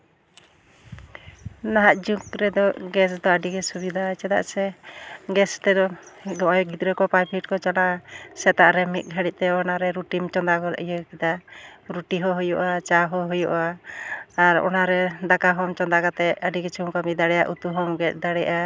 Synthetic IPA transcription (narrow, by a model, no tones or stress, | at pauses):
naɦaʔ̪̚d͡ʒukɾɛd̪ɔɡɛsd̪ɔəɖiɡɛsubid̪ʱat͡ʃɛd̪a̰ʔsɛɡɛst̪ɛd̪ɔdɔʔɔjɡid̪ɾɛkɔpajpʰiʈ̚kɔt͡ʃalaʔasɛt̪aʔɾɛmit̪̚ˀɡʱaɽic̚t̪ɛɔnaɾɛɾuʈimt͡ʃɔnd̪akɔl̰ʔjəkid̪aɾuʈiɦɔɦujɔʔat͡ʃaɦɔɦujɔʔaː | ɾɔ̰naɾɛd̪akaɦɔmt͡ʃɔnd̪akat̪ɛʔəɖiɡɛt͡ʃʰumkamid̪aɽɛja̰ʔut̪uɦɔmɡɛt̪̚ˀd̪aɽɛʔa